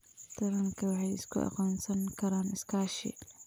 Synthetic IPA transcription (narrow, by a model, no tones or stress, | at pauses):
t̪ʰɐɾɐŋkʰɐwɑħɑjɪ̰skʰʊ̰ʔɑ̰qaːnsɐŋkʰɐɾaːnɪskʰaːʃɪ̰